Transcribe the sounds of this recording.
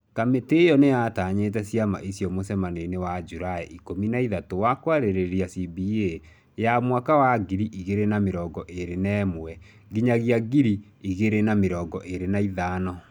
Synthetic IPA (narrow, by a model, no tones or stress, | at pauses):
kametejɔnejataɲetɛsiama̰ʔisjɔmosɛmanenewad͡ʒuɾaɛʔikominaiðatowakwaɾeɾeɾiasibie | jamwakawaɡiɾiʔiɣeɾenameɾɔɡɔʔeɾenɛːmwɛ | ɡiɲaɣiaɡiɾi | iɣeɾenameɾɔːŋɡɔʔeɾenaiðaːnɔ